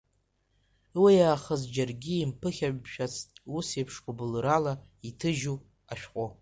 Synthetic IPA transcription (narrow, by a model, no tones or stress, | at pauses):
wijaːχəzd͡ʒarɡʲiːmpʰɨχʲaʃᶣat͡sʰtʼusepʰʂkʰʷabɨlɨɾala | itʰɨʒu | aʃᶣqʷʼo